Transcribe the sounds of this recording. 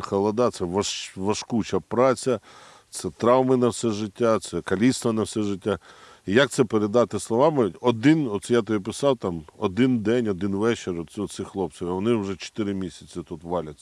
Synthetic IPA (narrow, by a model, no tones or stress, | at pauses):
xɐlˠɐd̪ɑt̪sɛʋɐʋɐʃkut͡ʃɐpɾɑt͡sʲɐ | t̪sɛt̪ɾɑwmɪnɐwsɛʒɪtʲːat̪sɛkɐlʲist̪ʋɐnɐwsɛʒɪtʲːa | ijɐk̚t̪sɛpeɾed̪ɑt̪ɪslˠɔʋɑmɪɔd̪ɪnɔt̪sjat̪ɔipɪsɑwt̪ɑmɔd̪ɪnd̪ɛnʲɔd̪ɪnʋɛt͡ʃeɾɔɔt̪sɪxlˠɔpt͡s̪ʲɔʋʲʋɔnɪʊʒɛt͡ʃo̥t̪ɪɾɪmʲisʲɐt͡sʲɐt̪ut̪ʋɑlʲɐt͡sʲː